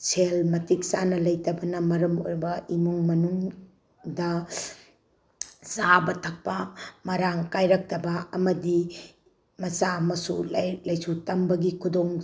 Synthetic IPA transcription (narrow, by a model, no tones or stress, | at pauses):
t͡ʃʰelmɐtik̚sanɐlɐjtɐbɐnɐmɐɾɐmo̰jɾbɐimuŋmɐnuŋ | dɐ | zabɐtʰɐk̚pɐmɐɾaŋkajɾɐk̚tɐbɐɐmɐdi | mɐsaɐmɐsullɐjsutɐmbɐɡikʰudoŋ